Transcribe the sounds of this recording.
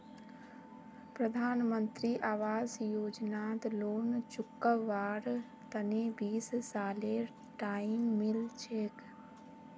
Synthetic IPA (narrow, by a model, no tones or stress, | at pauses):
pɾəd̪ʱaːnmənt̪ɾiːʔaːʋaːzjoːd͡ʒnaːt̪loːnt͡ʃʊkːəʋaːɾ | t̪ənebiːssaːle | ʈaːimmɪlt͡ʃʰeːk